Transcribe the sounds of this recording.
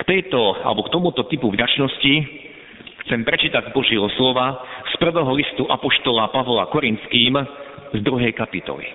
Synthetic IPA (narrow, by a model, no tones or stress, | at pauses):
kt̪ɛjt̪ɔa̰lɛbɔkt̪ɔmut̪ɔt̪ipuvɟat͡ʃnɔsci | xt͡sɛmpɾɛt͡ʃiːt̪aɟzbɔʒɪɛɦɔslɔʋaspr̩ʋɛːɦɔlist̪uʔapɔʃt̪ɔlapaʋla̰kɔɾint̪skiːmzd̪ɾuɦɛjkapit̪ɔ̰lḭ